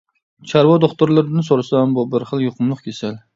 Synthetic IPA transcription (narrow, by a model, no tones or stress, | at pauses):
t͡ʃʰaɾvɒd̪oχt̪ʊɾlˠɪɾɪnɪsoɾsambɔbɪɾχɨlˠjoqʰʊmlˠɨqkʲʰesal